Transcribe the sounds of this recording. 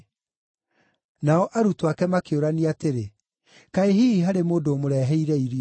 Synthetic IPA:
naɔʔaɾutwakɛmakeoɾaneateɾe | kaeɦiɦaɾemoːndoːmoɾɛɦɛiɾɛiɾi

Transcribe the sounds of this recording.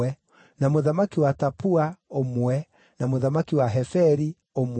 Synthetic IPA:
ɛ | namoðamakiwatapuaomwɛ | namoðamakiwaɦɛfɛɾi | om

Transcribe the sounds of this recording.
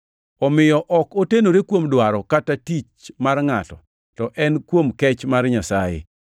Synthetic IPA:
ɔmɪjɔʔɔkotenoɾekwomdwaɾɔkatatit͡ʃmarŋatɔ | tɔʔɛnkwomkɛt͡ʃmarɲasajḛ

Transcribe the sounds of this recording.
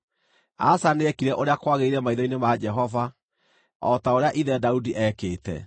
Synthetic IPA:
a̰saneɛkiɾɛʔoɾeakwaɣeiɾɛmaiðɔinemad͡ʒɛɦɔva | ɔtaoɾeaʔiðɛdaudiʔɛkeːtɛ̰

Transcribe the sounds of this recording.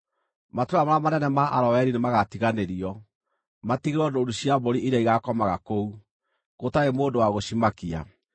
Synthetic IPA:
matoɾamaɾamanɛnɛmaʔaɾɔwɛɾinemaɣatiɣaneɾiɔ | matiɣeɾɔdoːduɕiaboɾiʔiɾaiɣakɔmaɣakou | ɣotaemoːndowaɣoɕimakia̰

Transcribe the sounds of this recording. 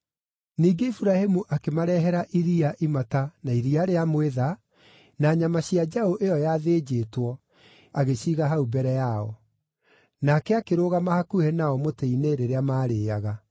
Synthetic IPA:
niːɡeifuɾahemuʔakemaɾɛɦɛɾaʔiɾiaʔimatanaiɾiaɾeamweða | naːɲamaɕiad͡ʒahoʔeɔjaðeːd͡ʑeːtwɔ | aɣeɕiːɣaɦaubɛɾɛjaɔ | nakɛakeɾoɣamahakuhenaɔmoteineɾeɾeamaːɾeːaɣa

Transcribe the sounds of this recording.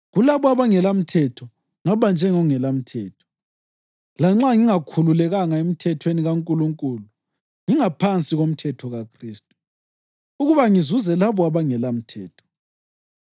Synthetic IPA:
ɣulaβɔaβaŋɛlam̩tʰɛtʰɔ | ŋaβand͡ʒʱɛŋɔŋɛlam̩tʰɛːtʰɔ̥ | laŋ͡ǁaŋiŋakʰululɛɣaŋaem̩tʰɛtʰweniɣaŋkʼuluŋkʼulu | ŋiŋapʰant͡sʼiɣom̩tʰɛtʰɔɣakʰriːstʼu̥ | uɣuβaŋizuzɛlaβɔaβaŋɛlam̩tʰɛːtʰɔ̥

